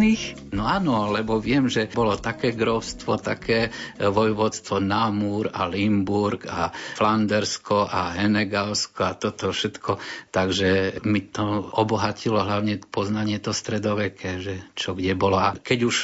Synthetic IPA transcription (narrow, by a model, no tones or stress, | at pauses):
ix | nɔaːnɔlɛbɔʋɪɛmʒɛbɔlɔt̪akɛːɡɾɔʊst̪ʋɔt̪a̰kʰɛːʋɔjʋɔt̪st̪ʋɔnamuɾa̰limbuɾɡafland̪ɛɾskɔʔaɦɛnɛɡalskɔat̪ɔt̪ɔfʃɛt̪kʰɔt̪aɡʒɛmit̪ɔɔbɔɦacilɔɦlaʊɲɛpɔznaɲɪɛt̪ɔst̪ɾɛd̪ɔʋɛkʰɛʒɛt͡ʃɔɡɟɛbɔlɔakɛɟuʃ